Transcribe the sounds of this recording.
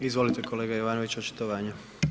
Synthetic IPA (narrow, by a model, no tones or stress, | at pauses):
izʋo̞lit̪ekʰoleːɡajoʋaːnoʋit͡ɕot͡ʃi̥t̪oʋaːɲu